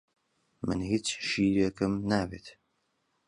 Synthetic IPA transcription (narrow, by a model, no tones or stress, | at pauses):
mɨ̰nɦit͡sʰʃiːɾɐkʰɨmnaːvḛːt̪ʰ